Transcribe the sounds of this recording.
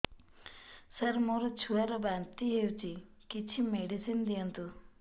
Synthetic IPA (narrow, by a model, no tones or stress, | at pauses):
sɐɾmoɾut͡ʃʰuaɾɔbaːnt̪iɦewt͡ʃi | kit͡ʃʰimeɖisind̪iənt̪u